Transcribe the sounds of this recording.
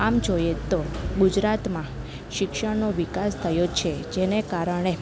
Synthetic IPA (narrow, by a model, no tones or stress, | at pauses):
amd͡ʒojet̪oɡud͡ʒɾat̪mã | ʃɪkʃəɽnoʋikast̪ʰəjot͡ʃʰed͡ʒenekaɾəɽ̃e